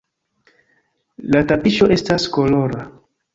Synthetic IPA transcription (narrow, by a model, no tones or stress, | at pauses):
latapiʃo̞ʔe̞stasko̞lo̞ɾa